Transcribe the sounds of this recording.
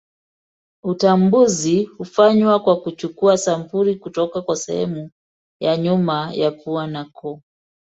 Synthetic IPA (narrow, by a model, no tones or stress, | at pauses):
utambuzihufaɲwakwakut͡ʃukuasampuɾikutɔkakwasɛ̰hɛ̰mu | jaɲumajapuanakɔ